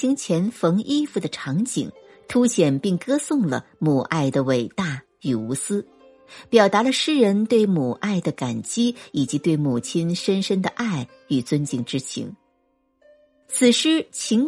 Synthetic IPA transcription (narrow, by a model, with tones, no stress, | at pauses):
i˥ŋt͡ɕʰjɛ˧˥nfɤ˧˥ŋʔi˥fu˨˩d̪ə˩ʈ͡ʂʰɑ˧˥ŋt͡ɕḭ˨˩ŋ | t̪ʰu˥ɕjɛ˨˩npi˥˩ŋkɤ˥sʊ˥˩ŋlə̰˩mu˨˩ʔa˥˩ɪd̪ə˩we˨˩ɪt̪a˥˩ | y˨˩u˧˥sɹ̩˥ | pjɑ˨˩ʊt̪a˧˥lə˧ʂɻ̩˥ɻə˧˥nt̪we˥˩ɪmu˨˩ʔa˥˩ɪd̪ə˩ka˨˩nt͡ɕi˥i˨˩t͡ɕi˧˥t̪we˥˩ɪmu˨˩t͡ɕʰi˥nʂə˥nʂə˥nd̪ə˨ʔa˥˩ɪ | y˨˩t͡swə˥nt͡ɕi˨˩ŋʈ͡ʂɻ̩˥t͡ɕʰḭ˧˥ŋ | t͡sʰɹ̩˨˩ʂɻ̩˥t͡ɕʰi˧˥ŋ